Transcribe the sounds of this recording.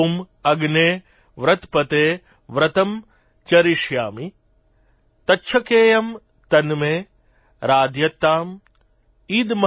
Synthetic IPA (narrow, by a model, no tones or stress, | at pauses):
m | ɐɡneː | ʋɾɐt̪pɐt̪eː | ʋɾɐt̪ɐm | t͡ʃɐɾiʃjaːmi | t̪ɐtːʃʰɐkeːjɐm | t̪ɐnmeː | ɾaːd̪ʱjɐt̪ːaːm | iːd̪mɐ